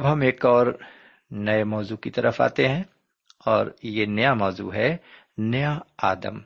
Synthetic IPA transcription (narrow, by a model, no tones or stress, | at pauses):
ɐbɦɐmeːkɔːɾ | nɐemɔːzukit̪ɐɾəfa̰ːt̪eɦɛ̃ | ɔːɾjenɐjamɔːzṵɦɛ | nɐjaaːd̪ə̰m